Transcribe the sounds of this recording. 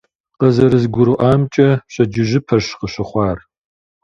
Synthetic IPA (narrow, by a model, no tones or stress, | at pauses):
qɐzɐɾɨzɡʷʊɾɨʔɑːmt͡ʃʼɐɕɐd͡ʒɪʒɪpʰɐɕqəɕɪχʷɑːr